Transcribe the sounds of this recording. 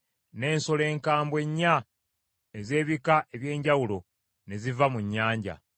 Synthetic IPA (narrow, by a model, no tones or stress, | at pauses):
ne̞ːnso̞le̞ːŋkaːmbwe̞ɲːa | eze̞ːβikaʔe̞βje̞ːɲɟawulo̞ | ne̞zivamuɲːaːɲɟa̰